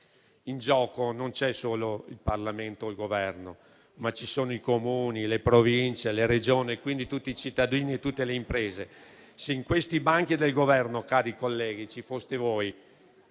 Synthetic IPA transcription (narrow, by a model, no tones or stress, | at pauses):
ind͡ʒɔːkonont͡ʃɛsoːloilparlament̪oilɡovɛrno | mat͡ʃisoːnoikomuːnilepɾovint͡ʃeleɾed͡ʒoːnikwind̪it̪ut̪ːit͡ʃit̪ːad̪iːniet̪ːut̪ːeleimpɾeːze | seiŋkwest̪ibaŋk̟id̪elɡovɛrnokaːɾikolːɛːɡit͡ʃifost̪evoːj